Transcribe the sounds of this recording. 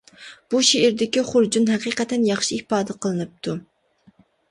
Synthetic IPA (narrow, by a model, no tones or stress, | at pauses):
b̥uʃeɪɾd̪ɪkʲiχʊɾd͡ʒunɦɛqiːqɛt̪ɛnjɑχʃihpɑːd̪ɛqʰəlˠɨnɨp̚t̪ʰu